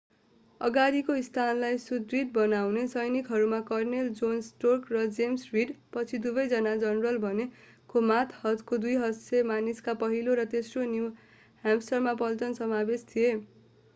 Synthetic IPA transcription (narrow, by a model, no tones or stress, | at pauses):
ʌɡaɾikoist̪ʰanlajsud̪riʈ̚bʌnawnesʌjnikɦʌɾumakʌrneld͡zonsʈokrʌd͡zemsriɖpʌt͡sʰid̪ubʌjd͡zʌnad͡zʌnrʌlbʱʌne | komat̪ʰhʌt̪kod̪ujɦʌsemaniskapʌɦiloɾʌt̪esroniw | ɦamsʌrmapʌlt͡sʌnsʌmabest̪ʰie